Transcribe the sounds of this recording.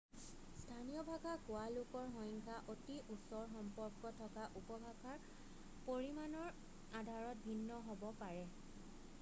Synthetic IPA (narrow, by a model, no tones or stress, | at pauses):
stʰaniɔbʱaɡakʊalʊkɔɹɦɔjŋkʰaʔotiʔusɔɹxɔmpɔɹkɔtʰɔkaʔupɔbʱaɡʱaɹ | poɹimanɔɹ | adʱaɹɔt̚bʱinːɔɦobɔpaɹɛ